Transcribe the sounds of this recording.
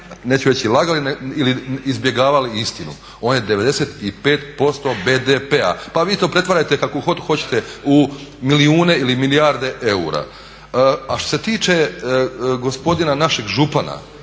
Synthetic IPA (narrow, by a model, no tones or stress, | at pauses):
ne̞ːt͡ɕuʋet͡ɕilˠaɡaliniliizbje̞ɡaːʋaliist̪inṵ | o̞ːnjed̪eʋe̞d̪e̞se̞t̪ipe̞ːt̪po̞st̪o̞be̞d̪epea̰paʋiːt̪o̞ːpɾe̞t̪ʋaɾajt̪e̞kakoxot̪xo̞t͡ɕet̪eumiliuːne̞ilimilijaɾd̪e̞ʔe̞ṵɾa̰ | aʃt̪oset̪iːt͡ʃe | ɡo̞spo̞d̪inanaʃe̞ɡʒupana̰